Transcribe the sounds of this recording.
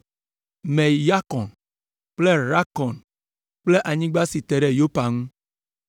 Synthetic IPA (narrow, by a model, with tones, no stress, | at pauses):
mẽ˨ja˦kɔ̃˨n | k͡ple˦ɾa˦kɔ˨n | k͡ple˦ʔa˨ɲĩ˦ɡ͡ba˦si˨t̪e˨ɖe˨jo˦pa˨ŋũ˦